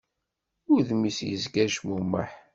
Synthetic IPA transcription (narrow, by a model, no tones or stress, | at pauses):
ʊɾðmisjəzɡæʒmumːə̰ħ